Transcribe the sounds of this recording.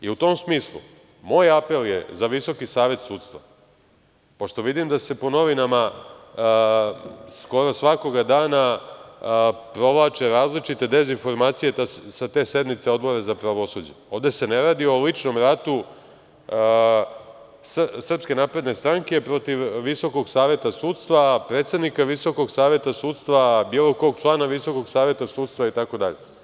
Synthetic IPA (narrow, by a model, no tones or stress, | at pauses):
iut̪o̞msmiːslˠṵ | mo̞ːjape̞ljḛzaʋiso̞kisaːʋe̞t̪suːt̪st̪ʋa | po̞ʃt̪o̞ʋid̪imd̪ase̞po̞no̞ʋinama | sko̞ɾo̞sʋako̞ɡad̪aːna | pɾo̞ʋlˠaːt͡ʃe̞ɾaːzlit͡ʃit̪e̞d̪e̞zinfo̞ɾmaːt̪sijet̪asat̪e̞ːse̞d̪nit̪se̞o̞d̪bo̞ɾazapɾaʋo̞sud͡ʑeo̞ːʋd̪e̞se̞neɾaːd̪io̞lit͡ʃno̞mɾat̪u | ssr̩pske̞naːpɾe̞d̪ne̞st̪ɾaŋke̞pɾo̞t̪iʋːiso̞ko̞ɡsaːʋje̞t̪asuːt̪st̪ʋapɾe̞t̪sed̪nikaʋiso̞ko̞ɡsaːʋje̞t̪asuːt̪st̪ʋabiːlˠo̞ko̞ːɡ̚t͡ʃlˠaːnaʋiso̞ko̞ɡsaːʋje̞t̪asuːt̪st̪ʋait̪ako̞d̪aʎe